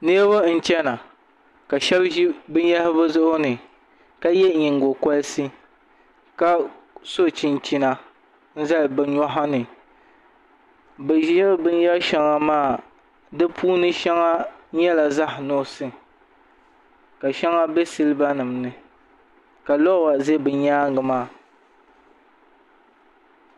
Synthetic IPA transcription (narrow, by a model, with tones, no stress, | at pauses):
nɨ˦ba˦n̩˦t͡ʃɛ˦na˨ | ka˨ʃɛ˦bʒi˦bɨ˦n˦ja˦hɪ˦bɨ˦zʊ˦ʔʊ˦nɨ˨ | ka˦jɛ˦ɲi˨ŋ˨ɡo˨kɔ˦lsi˦ | ka˦ | so˦t͡ʃi˨nt͡ʃi˦na˨ | n̩˦za˦lbɨ˦ɲɔ˦ɦa˦nɨ˨ | bɛ˨ʒɛ˦bɨ˦n˦ja˦ʃɛ˦ŋa˨maː˦˨ | dɨ˦pʰuː˦nɨ˦ʃɛ˦ŋa˦ɲɛ˦la˨za˦hnɔ˦sɨ˦ | ka˨ʃɛ˦ŋa˦bɛ˦sɨ˦lɨ˦ba˦nɨ˨mnɨ˨ | ka˨lɔ˦wa˨ze˦bɨ˨ɲaː˦ŋɡɨ˨maː˦˨